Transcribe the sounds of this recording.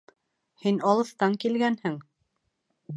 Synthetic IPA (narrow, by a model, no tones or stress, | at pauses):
hinɑlˠɤ̆θt̪ɑŋkilɡænhɘŋ